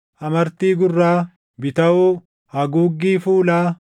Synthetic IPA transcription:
ʔɐmɐɾt̪iːɡʊrːaː | bɪt̪ɐuː | hɐɡuːɡːiːfuːlaː

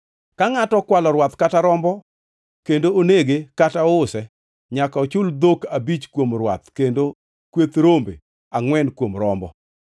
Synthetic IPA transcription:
kaŋatɔkwalɔɾwat̪kataɾɔmbɔ | kendooneɡekataɔʊsɛ | ɲakaɔt͡ʃʊld̪okabit͡ʃkwomɾwa̰t̪kendo | kwet̪ɾombḛ | aŋwɛnkwomɾɔmbɔ̰

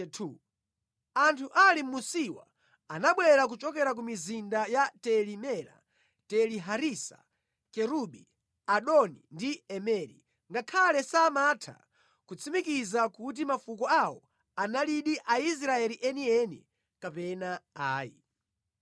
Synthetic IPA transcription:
tʰu | antʰuʔalim̩musiwa̰ | anaɓwɛɾak̬ut͡ʃɔk̬ɛɾak̬umizindajatɛlimɛɾa̰ | tɛliɦaɾisa̰ | kɛɾuɓi | aɗɔnindiɛmɛːɾi | ŋɡakʰalɛsamatʰa̰ | kut͡sʰimikizakut̬imafukɔawɔ | analiɗiʔais̬ɾaɛliʔɛniɛnḭ | kapɛnaaːjḭ

